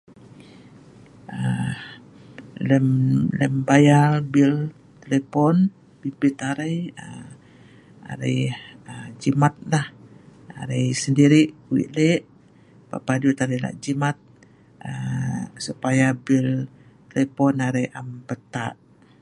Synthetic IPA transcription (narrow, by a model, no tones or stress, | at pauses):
ə | ləmləmbajalbil | t̪elepɔn | b̥ilbit̪aɾəjə | a̰ɾə̰jəd͡ʒimat̪̚laha̰ɾəjsəndiɾiʔkuḭʔleʔ | pa̰padut̪aɾəjla̰ʔd͡ʒimat̪̚ | əsupajabil | t̪elepɔnaɾəjʔampət̪a̰ʔ